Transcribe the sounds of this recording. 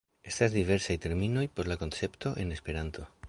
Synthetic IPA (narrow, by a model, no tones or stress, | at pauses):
e̞stazd̪ive̞ɾsajt̪e̞ɾmino̞jpo̞ɾlako̞nt͡se̞pt̪o̞ʔe̞ne̞spe̞ɾant̪o